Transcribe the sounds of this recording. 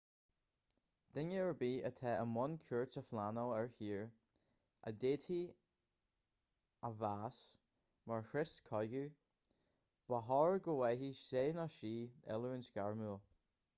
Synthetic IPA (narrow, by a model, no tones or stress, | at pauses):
d̥ɪŋəəɹbiːət̪ʰɛːʔəmɔnkʰuɹtsəflanɔɛɹhiːɹ | ʔə̰deːtʰi | əvaːs | maɹxɹɪskʰɔjɡu | v̥aɦɔɹəɡowɛɦiseːnɔʃiːɛ̰lˠuɪnskaɹmuːlˠ